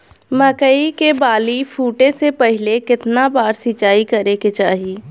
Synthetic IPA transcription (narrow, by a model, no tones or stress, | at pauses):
məkəikebaːlifʰuːʈẽsepəɦɪlekɪt̪nabaːɾsɪt͡ʃaːikɐɾeket͡ʃaːɦiː